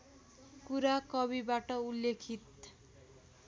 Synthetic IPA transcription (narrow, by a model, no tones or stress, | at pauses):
kuɾakɔbibaʈɔulːekʰit̪